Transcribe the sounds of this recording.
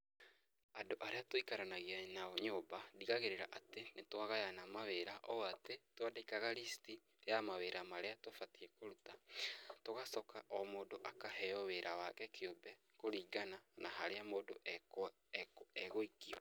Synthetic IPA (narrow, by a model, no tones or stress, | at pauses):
adoʔaɾeatoikaɾanaɣeanaɔɲobadiɣaɣeɾeɾaʔatenetwaɣajanamaweɾaʔɔwatetwadekaɣaɾisti | jamaweɾamaɾeatofatiɛkoɾutatoɣasɔkaʔɔmoːdoʔakaɦɛɔweɾʔawakɛkʰeobɛ | koɾiːɡananaɦaɾeamoːdoʔ | ɛɣoikiɔ